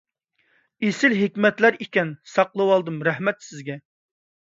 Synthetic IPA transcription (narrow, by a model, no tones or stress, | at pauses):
esɪlɦɪkʲmɛt̪læɾikʲɛnsɑqlˠɨwɑlˠd̪ɨmɾæhmɛt̪sɪzɡʲɛ